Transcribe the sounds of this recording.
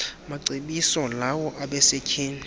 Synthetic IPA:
maǀiɓisɔlawɔʔaɓɛsekʰiːni

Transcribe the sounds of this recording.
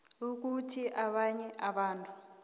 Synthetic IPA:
uk̬utʰiʔaɓaɲɛʔaɓaːntʼu

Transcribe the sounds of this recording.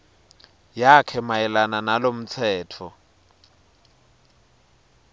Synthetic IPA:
jakʰɛmaɛlananalom̩t͡sʰɛːtʰɔ

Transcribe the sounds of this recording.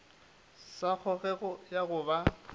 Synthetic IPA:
sak͡xʰɔɣɛɣʊjaɣʊba

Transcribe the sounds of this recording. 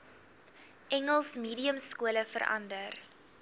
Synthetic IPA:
ʔɛŋəlˠsmiːdiəmskuələfə̰ɾɐ̰ndər

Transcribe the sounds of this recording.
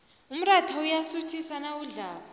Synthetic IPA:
um̩ratʰaujasutʰisanauɮaːβa

